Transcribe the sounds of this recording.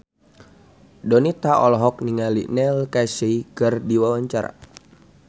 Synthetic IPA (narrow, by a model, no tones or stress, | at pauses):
dɔnit̪aʔɔlɔɦɔk̚niŋalḭnɛlkaseiɡərdiwawaɲt͡ʃaɾa̰